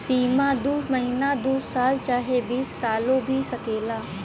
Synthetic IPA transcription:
siːmãd̪uːmɐɦiːnad̪uːsaːlt͡ʃaːɦebiːsːaːlõbʱisɐkeːlaː

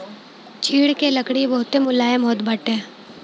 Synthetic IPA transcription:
t͡ʃʰiːɽkeləkɽibɐɦʊt̪emʊlaːemɔɦʊt̪bəʈeː

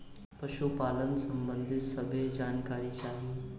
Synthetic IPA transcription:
pəɕupalənsəmbənd̪ʱit̪səbʱed͡ʑankaɾiːt͡ɕaɦi

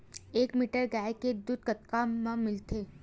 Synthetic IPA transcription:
eːkmiːʈəɾɡaːjked̪ʊd̪̚kət̪kamãmɪlt̪ʰeː

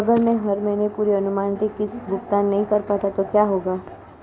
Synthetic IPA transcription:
ɐɡəɾmẽɦɐɾmɛ̃ːnepuːɾiɐnʊmaːnt̪ikɪsbʱʊkt̪aːnːɐɦĩkɐɾpat̪at̪okjaːɦoːɡaː

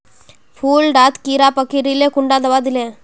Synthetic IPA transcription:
pʰuːlɖaːt̪kiɾaːpɐkːiɾilekʊɳɖaːd̪ɐʋaːd̪ɪle

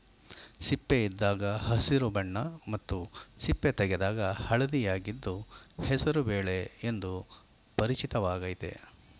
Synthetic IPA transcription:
sipːeid̪ːaːɡɐhɐsiɾubɐɳːɐmɐt̪ːusipːet̪ɛɡed̪aːɡɐhɐɭɐd̪ijaːɡid̪ːuhɛsɐɾubeːɭe̞end̪u | pɐɾit͡ʃit̪ɐʋaːɡɐjit̪ḛ

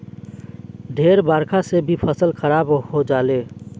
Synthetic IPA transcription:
ɖ̪ʱeːɾbaːɾkʰasebʱipʰəsəlxəɾaːbhod͡ʒaːleː

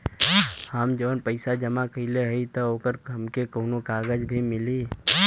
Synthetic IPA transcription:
həmd͡ʒəʋənpəɪsad͡ʒəmakəileɦəit̪ɔoːkəɾɦəmkekoːnokaːɡəd͡ʒbʱimɪli

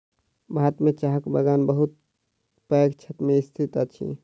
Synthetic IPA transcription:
bʱat̪mẽt͡ʃaɦəkbəɡaːnbəɦut̪̚ | pəjkt͡ʃʰət̪meist̪ʰit̪at͡ʃʰḭ

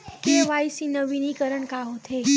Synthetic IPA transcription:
keʋajsinəʋinikəɾəɳkaɦot̪ʰe

